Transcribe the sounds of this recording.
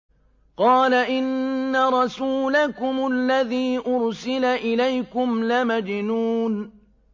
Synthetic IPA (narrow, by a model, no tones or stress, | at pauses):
qɑːlaʔɪnːaɾˤɑsuːlakʊmʊlːaðiːʔʊɾsɪlaʔɪlajkʊmlamad͡ʒɪnuːn